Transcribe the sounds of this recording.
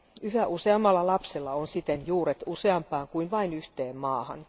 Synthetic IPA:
yhæʔuseɑmːɑlːɑlɑpselːɑonsit̪enjuːɾet̪useɑmpɑːŋkuinʋɑinyht̪eːmmɑːhɑ̰n

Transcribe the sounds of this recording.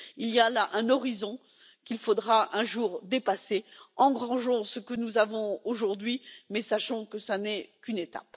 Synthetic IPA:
ilijalaʔɛ̃nɔʁizɔ̃ | kʲilfod̪ʁaʔɛ̃ʒuːʁd̪epaseɑ̃ɡʁɑ̃ʒɔ̃səkənuzavɔ̃oʒuʁd̪ɥimɛsaʃɔ̃kəsanɛkʲynet̪a̰p

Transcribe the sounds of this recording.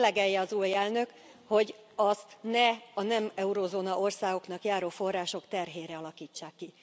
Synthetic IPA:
lɛɡɛjːɛɒzuːjɛlnø̞k | ho̞ɟ | ɒst̪nɛɒnɛmɛuɾoːzoːnɒʔo̞rsaːɡo̞knɒkjaːɾoːfo̞rːaːʃo̞kt̪ɛrɦeːɾɛɒlɒkiːt͡ʃːaːkːi

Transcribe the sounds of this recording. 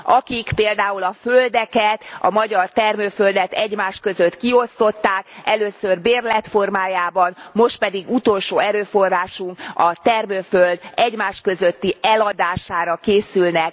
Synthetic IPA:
ɒkikpeːld̪aːulɒføld̪ɛkɛt̪ɒ̰mɒɟɒrt̪ɛrmøːføld̪ɛt̪ɛɟmaːʃkø̞zøt̪kio̞st̪o̞t̪ːaːkɛløːsørbeːrlɛt̪fo̞rmaːjaːbɒnmo̞ʃt̪̚pɛd̪iɡut̪o̞lʃoːɛɾøːfo̞raːʃuŋkɒt̪ɛrmøːføld̪ɛɟmaːʃkø̞zøt̪ːiɛlɒd̪aːʃaːɾɒkeːsylnɛk̚

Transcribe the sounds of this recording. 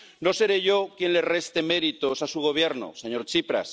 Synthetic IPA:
no̞se̞ɾe̞ʝo̞kje̞nle̞re̞st̪e̞me̞ɾit̪osasuɣ̞o̞β̞je̞ɾno̰seɲo̞ɾt͡ʃipɾa̰s

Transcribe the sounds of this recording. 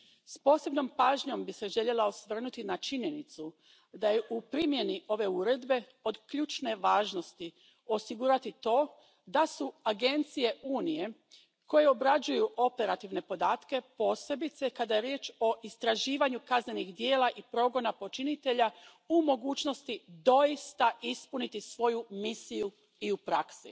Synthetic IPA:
spo̞ːse̞bno̞mpaːʒɲo̞mbiseʒe̞ʎe̞laosʋr̩nut̪inat͡ʃiɲe̞nit̪su | d̪ajeʔupɾimje̞niʔo̞ʋe̞uɾe̞d̪be̞ | o̞d̪kʎuːt͡ʃne̞ʋaːʒno̞st̪i | o̞siɡuɾat̪it̪o̞ː | d̪asuaɡe̞nt̪sije̞uːnije̞ | ko̞jeo̞bɾad͡ʒujuʔo̞pe̞ɾat̪iʋne̞po̞d̪aːt̪ke̞po̞ːse̞bit̪sekad̪aje̞ɾje̞ːt͡ʃo̞ʔist̪ɾaʒiːʋaɲukazne̞nixd̪je̞ːlaʔipɾo̞ɡo̞napo̞t͡ʃinit̪e̞ʎa | umo̞ɡuːt͡ʃno̞st̪id̪o̞jist̪aʔispunit̪isʋo̞jumisiju | iupɾaksi

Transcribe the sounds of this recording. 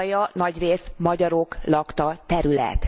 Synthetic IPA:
jɒnɒɟreːsmɒɟɒɾo̞klɒkt̪ɒt̪ɛɾylɛ̰t̪

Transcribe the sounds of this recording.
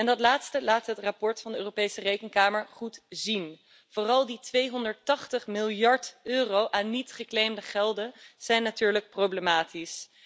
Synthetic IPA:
ɛndɑtlaːtstəlaːtɦətrapɔɹtfɑndəøːropejsərejkənkaːməɹχutzin | v̥oːrɑlˠditʋejɦɔndəɹtɑχtəχmɪlˠjɑɹtøːrowʔaːnːitχəklejmdəχɛlˠdənz̥ɛjnːatyːɹlək̚prowblemaːtis

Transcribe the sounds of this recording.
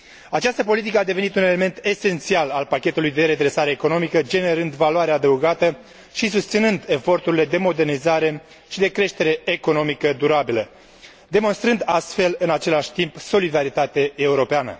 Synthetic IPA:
at͡ʃast̪əpo̞lit̪̬ikəad̪e̞ve̞nit̪une̞le̞me̞nt̪e̞se̞nt̪sialalpakʲe̞t̪ulujd̪e̞ɾe̞d̪ɾe̞saɾe̞ːko̞no̞mikəd͡ʒe̞ne̞ɾɨnd̪valoaɾead̪əuɡat̪ə | ʃis̬ust̪sinɨnd̪e̞fo̞rt̪uɾile̞d̪e̞mo̞d̪e̞rnizaɾe̞ | ʃid̪e̞kɾe̞ʃt̪e̞ɾe̞ːko̞no̞mikəd̪uɾabilə | d̪e̞mo̞nst̪ɾɨnd̪ast̪fe̞lɨnat͡ʃe̞laʃʲt̪impso̞lid̪aɾit̪at̪eːuɾo̞peanə̰

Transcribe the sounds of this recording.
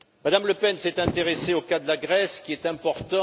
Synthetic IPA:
mad̪amləpɛnsɛt̪ɛ̃t̪eʁeseokad̪əlaɡʁɛskʲiɛt̪ɛ̃pɔʁt̪ɑ̃

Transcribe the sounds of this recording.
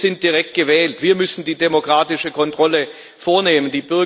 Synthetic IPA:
z̥ɪnt̚d̥iʁɛk̚t̚ɡ̥əvɛːltv̥iːɐmʏsn̩diːdemokʁ̥aːtɪʃəkʰɔntʁ̥ɔlə | foːɐneːməndiːbʏɐ

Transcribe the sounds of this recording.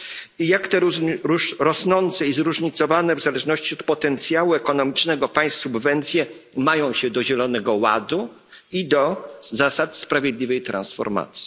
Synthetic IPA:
ijakt̪ɛɾ | ɾɔsnɔnt̪sɛizɾuʐɲit̪sɔvanɛvzalɛʐnɔɕt͡ɕiɔt̪pɔt̪ɛnt̪sʲjawuɛkɔnɔmʲit͡ʂnɛɡɔpaj̃st̪subvɛnt̪sʲjɛ | majɔ̃w̃ɕɛd̪ɔʑɛlɔnɛɡɔwa̰d̪u | id̪ɔzasat̪spɾavʲjed̪lʲivɛjt̪ɾa̰nsfɔ̰ɾma̰t̪sʲji̥

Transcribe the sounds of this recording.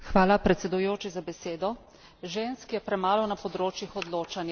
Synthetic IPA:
xʋaːlapɾɛt̪sɛd̪ujoːt͡ʃizabɛseːd̪ɔ | ʒeːnskjɛpɾɛmaːlɔwnapɔd̪ɾoːt͡ʃjixɔd̪loːt͡ʃanj

